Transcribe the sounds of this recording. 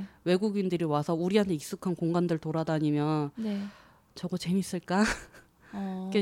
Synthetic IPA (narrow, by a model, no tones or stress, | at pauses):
we̞ɡuɡindɯɾiwasʰʌuɾiɦantʰe̞ik̚s͈ukʰankoŋɡandɯɭtoɾadaɲimjʌnne | t͡ɕʌɡʌt͡ɕe̞mis͈ɯɭk͈a | ke